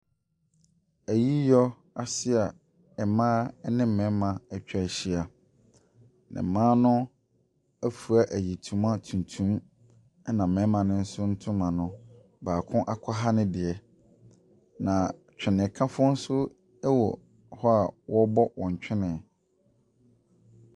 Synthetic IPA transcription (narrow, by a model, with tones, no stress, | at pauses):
æ˨ji˦jɔ˦ | a˨sɪ˦a˨ | ɛ˨mãː˦nɪ̃˦m̩˦˨mɛ̃˨˦mã˨ɛ˨t͡ɕᶣɛ˦˨ɕi˦a˨ | nɪ̰̃˨mãː˦nʊ̃˦ | æ˦fu˨a˦ʔæ˨ji˨tʰũ˨mã˦tʰũ˨ntʰũ˦m˦ | nã˨m̩˨mɛ̃˨˦mã˨nɪ̃˦n̩˦sʊ˦n̩˦tʰʊ̃˦mã˨nʊ̃˨ | baː˨kʰʊ̃˦ʔa˦kʷʰɔ˦ɦa˦nɪ̃˦dɪ˨ɛ˨ | nã˨ | t͡ɕᶣɪ˨nɪ̃˨kʰã˦fʊ˦ʊ˦n̩˦sʊ˦ | wɔ˨ | hɔ˦a˨wɔ˦bɔ˦wɔ̃˨ɲ˨t͡ɕᶣʰɪ˦nɪ̃˨